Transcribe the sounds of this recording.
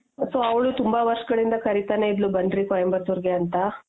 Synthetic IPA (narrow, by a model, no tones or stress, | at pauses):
soɐʋɭut̪umbaʋɐɾʂɐɡɐɭind̪ɐkɐɾit̪aneid̪lubɐɳɖɾikojɐmbɐsuɾɡeɐnt̪ɐ